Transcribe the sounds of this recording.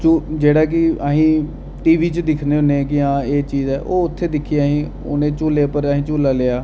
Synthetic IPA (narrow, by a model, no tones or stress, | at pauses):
t͡ʃuːd͡ʒeːɽaːk̬ɪəɦĩː | ʈiːʋiːt͡ʃd̪ɪkʰneːɦʊneːkɪãːeːt͡ʃiːzɛːʔoːʊt̪ʰːeːd̪ɪkʰiːaːɦĩː | o̰ːnẽːt͡ʃuːleːpəɾːɦĩːt͡ʃuːlaːleːaː